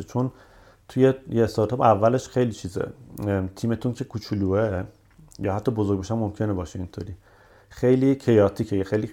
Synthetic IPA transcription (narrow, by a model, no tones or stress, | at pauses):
et͡ʃʰon | t̪ʰujejeːst̪ɑɾt̪ʰɒːbævːæleʃxejliːt͡ʃʰizḛt̪ʰiːmet̪ʰuncʰe̞kʰut͡ʃʰuluːe | jɒːhæt̪ʰːɒːbozoɡɟbeʃæmːomcʰenebɒːʃeint̪ʰoɾiː | xejlicʰe̞jɒːt̪ʰiːcʰejexejli